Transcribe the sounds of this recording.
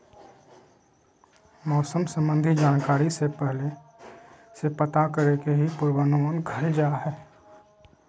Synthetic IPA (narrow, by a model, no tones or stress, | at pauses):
mɔːsəmsə̃mbə̃nd̪ʱid͡ʒaːnkaːɾisepɛɦle | sepət̪akəɾekeɦipʊɾwaːnoənɡʱəd͡ʒaːɦɛː